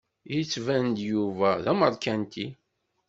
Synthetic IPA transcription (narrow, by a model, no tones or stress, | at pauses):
jit͡sːvænd̪juvæðæməɾkænt̪i